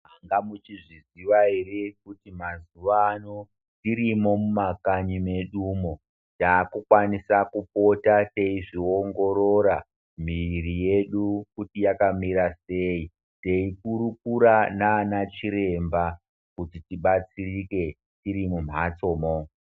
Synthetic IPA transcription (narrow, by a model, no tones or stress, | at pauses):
ɦaŋɡamut͡ʃiʐiziʋaerekutimazuʋano̞ | tiɾimo̞mumakaɲime̞ɗumo | taːkukwanisakupo̞tate̞iʐioŋɡo̞ɾo̞ɾa | m̤irije̞ɗukutijakamiɾase̞i | te̞ikuɾukuɾanaːnat͡ʃiɾe̞mba | kutitiɓat͡sirike̞ | tiɾimum̤ɦat͡so̞ːmo